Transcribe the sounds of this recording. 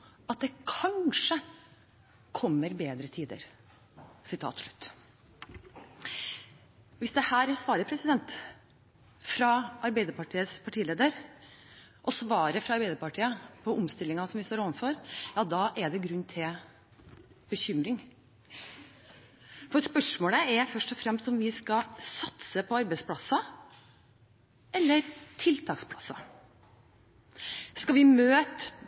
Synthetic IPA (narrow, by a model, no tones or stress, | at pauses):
ʔɑt̪̚d̪ɛkʰɑnʂə | kʰɔmːəɾbeːd̪ɾət̪ʰiːd̪ə̰ɾ | sɪt̪ʰɑ̰ːt̪ʂɭʉ̥t̪ː | ʋɪsd̪ɛhæːɾsʋɑːɾəpʰɾɛsɪd̪ɛnt̪ | fɾɑʔɑɾbæɪd̪əɾpɑʈʰiːəspʰɑʈʰiːəleːd̪əɾ | ʔɔsʋɑːɾəfɾɑɑɾbæɪd̪əɾpɑʈʰiːəpʰɔʔʊmst̪ɪlːɪŋɑsɔmʋɪst̪oːɾoːʋənfɔɾjɑːd̪ɑʔɛɖ̪ɛɡɾʉnːt̪ʰɪl | b̥əçʏmɾɪŋ | fɔɾspœʂmoːləæɾfœʂʈɔfɾɛmst̪ɔmʋɪskɑsɑt̪səpʰɔɑɾbɛɪspʰlɑsɑ | ɛlːəɾt̪ʰɪlt̪ʰɑːkspʰlɑsɑ | skɑʋɪmøːt̪